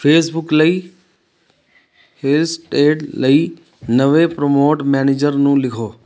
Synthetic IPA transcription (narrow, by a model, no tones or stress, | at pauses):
pʰeːsbʊkləi | helsʈeːʈləi | nɐʋepɾomoːʈmɛːneːd͡ʒəɾnũːlɪkʰoː